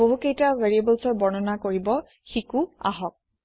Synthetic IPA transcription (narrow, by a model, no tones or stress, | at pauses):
oɦukejtaveɹiebɔlsɔɹbɔnɔnakoɹibɔ | xikua̰ɦɔk̚